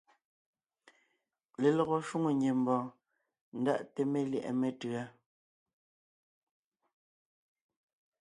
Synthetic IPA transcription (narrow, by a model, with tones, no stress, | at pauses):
le˨lɔ˨ɣɔ˨ʃu˦ŋo˨ɲe˨m̩˨bɔ̃ː˨ | n̩˨da̰˦˨ʔte˨me˦ljɛ˨ʔɛ̰˨me˦˨tʉ˨a˦